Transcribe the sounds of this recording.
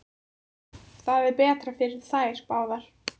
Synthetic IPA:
θavɪpɛːt̪ɾafɪɾɪð̥θaːjɾ̥paːwðaɾ̥

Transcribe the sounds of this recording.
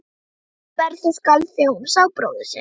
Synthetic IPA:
ɛɾθɪskalθʏwmsaːwpɾo̰wðʏsɛ

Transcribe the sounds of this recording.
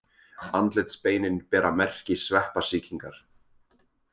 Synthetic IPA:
ant̪lɪt̪speːjnɪnpɛːɾamɛr̥cɪsvɛhpasiːciŋkaɾ̥

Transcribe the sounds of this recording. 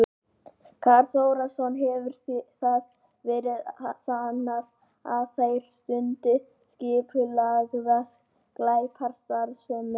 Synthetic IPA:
kʰaɾt̪oːwɾasɔnɦɛvʏɾ̥θθað | vɛːɾɪðasanːað | aθejɾ̥st̪ʏnt̪ɪ | scɪːpʰʏlaɣðas | klaːjpʰaɾ̥st̪aɾsʏmʏ

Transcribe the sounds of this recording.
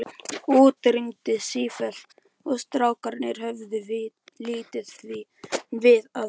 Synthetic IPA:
oːt̪ɾimt̪ɪsiːfɛl̥ | ɔɣst̪ɾaːwkaɾnɪɾ̥hœvðʏv | liːt̪ɪð̥θvivɪða

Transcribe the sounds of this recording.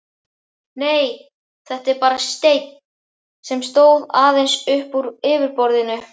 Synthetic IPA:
neːj | θɛht̪ɛɾpaːɾast̪ejt̪̚n | sɛmst̪oːwðaːðejnsʏhpuɾɪːvɪɾpɔɾðɪnʏ

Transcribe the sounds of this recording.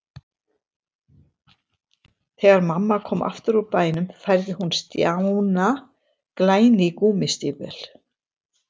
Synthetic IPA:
θɛːɣaɾmamːakʰɔːmʔa̰ft̪ʏɾɔpaːjnʏmfajɾðɪhunst̪jawwna | klaːjnɪkuːmɪst̪ɪːpɛ̰l̥

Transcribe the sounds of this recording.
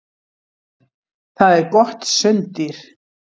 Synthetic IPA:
θaðɛɾkɔht̪sʏnt̪ɪɾ̥

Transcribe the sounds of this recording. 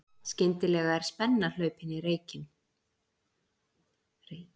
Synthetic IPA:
scɪnt̪ɪlɛːɣaɛɾ̥spɛnːal̥œɥpɪnireːjcɪn | re

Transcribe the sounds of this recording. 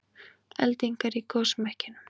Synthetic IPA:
ɛ̰lt̪iŋkaɾikoːwsmɛhcɪnʏm

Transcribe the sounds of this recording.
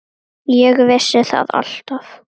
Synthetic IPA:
jɛɣvɪsːɪθa̰ða̰l̥t̪af

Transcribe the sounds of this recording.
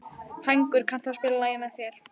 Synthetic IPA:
hajŋkʏɾ̥kʰan̥t̪ʰaspɪːlalaːjanaθjɛɾ̥

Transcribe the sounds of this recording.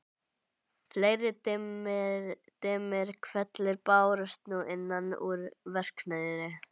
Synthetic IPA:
fleːjɾɪ | t̪ɪːmɪɾ̥kʰvɛt̪lɪɾpaːwɾʏst̪nuʔɪnːanuɾvɛr̥knɛðʏɾɪ

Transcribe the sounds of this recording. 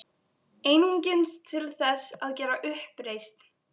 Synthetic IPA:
eːjniɲcɪnst̪ʰɪlθɛsaðcɛːɾaʔʏhpɾejst̪n̥

